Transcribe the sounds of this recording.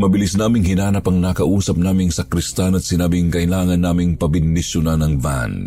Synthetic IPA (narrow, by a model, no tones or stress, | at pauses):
mɐbɪlisnaːmɪŋɦɪnaːnɐpɐŋnakɐʔuːsɐp̚naːmɪŋsɐkɾɪst̪anɐt̪̚sɪnaːbɪŋkɐʔɪlaːŋɐnːaːmɪŋpɐbɪnd̪ɪsjʊnanɐŋva̰n